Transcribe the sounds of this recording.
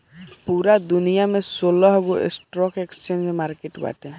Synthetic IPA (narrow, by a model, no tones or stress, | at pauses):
puɾad̪unijamesolɔɦɔɡoḛsʈɾɔkekst͡ʃend͡ʒmaɾkeʈba̰ʈɛ